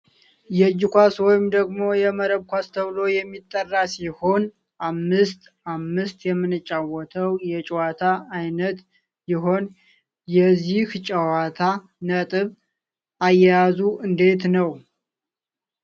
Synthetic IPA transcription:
jɛd͡ʒːɪkʷaswɔjɪmd̪əɡmo̞jɛməɾəβkʷʰast̪ʰəβlo̞jɛmːit̪ʼːərːasiho̞n | ʔamːɨst̪ | amːɨst̪jɛmːɨnɨt͡ʃʼːawɔt̪ʰəwjɛt͡ʃʼɛwat̪ʰaajnət̪ | jɪɦo̞n | jɛziht͡ʃʼəwat̪ʰa | nət̪ʼɨβ | ʔajːɛjazuɨnd̪e̞t̪nəw

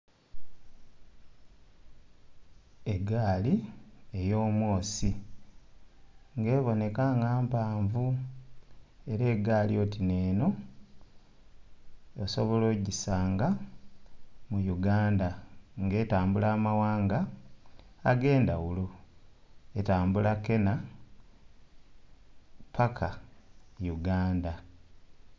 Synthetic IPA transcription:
e̞ɡaːlie̞jo̞ːmwo̞ːsi | ŋɡe̞ːβo̞ne̞kaŋɡaːmpaːɱvu | e̞ɾe̞ːɡaːlio̞tine̞ːno̞ | oso̞βo̞lo̞ːɟisaːŋɡa | mujuɡaːndaŋɡe̞ːtaːmbulaːmawaːŋɡaː | ɡe̞ːndawulo | etaːmbulake̞na | pʰakʰa | juɡaːnda

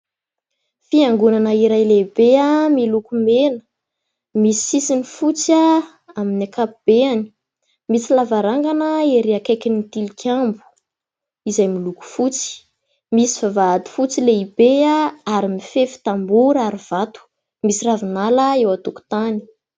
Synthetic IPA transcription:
fiaŋɡunanəiɾajlebeamilukumenə̥ | misi̥sisinifut͡sa | aminakapub̥eani̥ | mit͡silavaɾaŋɡanəeɾiakajkʲinit̪ilikʰʲambu̥ | izajmiluku̥fut͡si̥ | misi̥vavaad̪i̥fut͡sileibeaaɾimifefi̥t̪ambuɾaɾiv̥at̪u̥ | misiravinaləewat̪uku̥t̪ani̥

